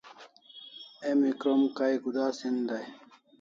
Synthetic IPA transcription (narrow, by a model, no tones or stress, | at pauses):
emikɾomkajɡud̪aːsind̪aj